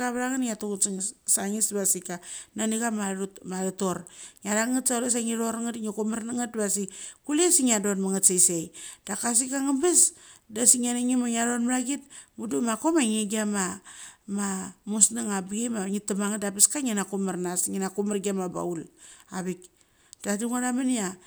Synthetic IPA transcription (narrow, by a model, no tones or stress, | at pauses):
aβɾaŋanŋatuɡsŋsaŋisβasikananiɡamamaɾatoɾŋaɾaŋatsaules̬aŋiɾoɾŋatŋikomaɾnaŋatbasikulesiŋadotmaŋatsajsejd̥akas̬ikaŋabesdasiŋanaŋimaŋaɾonmaɾaɡit̚mudumakomaŋeɡiamamamusnaŋabɡemaŋitːamaŋadapiskaŋenakomaɾnasŋinakumaɾɡiamaba̰ulaβik | d̥atuŋaɾamanija